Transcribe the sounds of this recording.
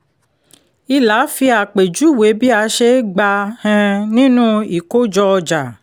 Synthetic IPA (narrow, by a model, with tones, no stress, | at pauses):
i˧la˨˦fi˧a˨k͡pe˨d͡ʒu˨˦˨we˨˦bi˦a˨˦ʃe˦ɡ͡ba˧hɛ̃˧nĩ˦nũ˦i˨ko˦d͡ʒɔ˧ɔ˧d͡ʒa˨